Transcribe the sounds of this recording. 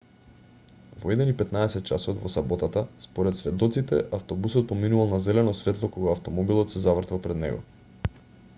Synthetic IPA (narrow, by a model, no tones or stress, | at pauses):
vɔɛd̪ɛnipɛt̪naɛsɛt̪̚t͡ʃasɔt̪vɔsabɔt̪at̪aspɔɾɛt̪svɛd̪ɔt̪sit̪ɛʔaft̪ɔbusɔt̪̚pɔminuvalˠnazɛlɛnɔsvɛt̪lˠɔkɔɡaːft̪ɔmɔbilˠɔt̪sɛzavr̩t̪valˠpɾɛd̪nɛ̰ɡɔ̰